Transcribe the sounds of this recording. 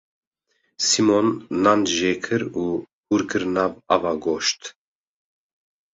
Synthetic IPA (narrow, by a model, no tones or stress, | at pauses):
simonːand̪ʒeːkʰɨɾuː | huɾkʰɨɾnaːvavaːɡoːʃt̪